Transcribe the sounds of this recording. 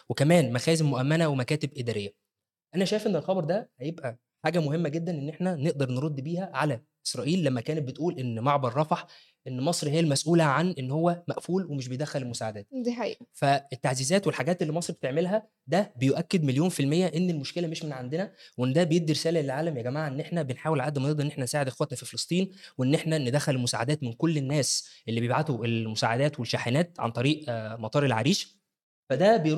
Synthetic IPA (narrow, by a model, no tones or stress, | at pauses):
wekæmæːnmæxæːzemoʔæmːænæwemækæːt̪ebʔed̪æːɾejːæ | ʔænæʃæːjfʔenːelxɑbɑɾˤd̪æhæjebʔæ | ħaːɡæmohemːæɡed̪ːænʔenːʔeħnæneʔd̪ɑɾˤnɾˤod̪ːbiːhæʕalæ | ʔesɾˤɑːʔiːlːæmːækæːnet̪̚bet̪ʔuːlʔenːmɑʕbɑɾˤːɑfɑħ | ʔenːmɑsˤɾihejːælmæsʔuːlæʕanʔenːhowːæmæʔfuːlwemeʃ̬bejed̪æxːælelmosaːʕad̪æːt̪haʔḭːfæet̪ːaʕziːzæːt̪welħaɡæːt̪ʔelːimɑsˤɾbet̪eʕmelɦæ | d̪æbejoʔækːed̪meljoːnfilmejːæʔenːelmoʃkelæmeʃmenʕand̪enæweʔenːd̪æbejeɡ̚d̪iɾesæːlæelʕaːlæmjæɡæmaːʕaʔenːʔeħnæbenħaːwelʕaʔd̪mneʔd̪ɾˤenːeħnænesaːʕed̪ʔxwæt̪næfifelesˤt̪ˤiːnweʔenːeħnæned̪æxːælelmosa̰ːʕad̪æːt̪menkolːenːæːsʔelːibejebʕat̪oʔelmosaːʕad̪æːt̪welʃaħenæːt̪̚ʕa̰nt̪ˤɑɾiːʔmɑt̪ˤɑːɾelʕa̰ɾiːʃ | fæd̪æbejɾ